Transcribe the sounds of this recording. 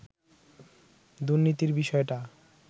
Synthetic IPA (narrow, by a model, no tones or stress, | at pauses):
d̪uɾnit̪iɾbiʃɔeʈa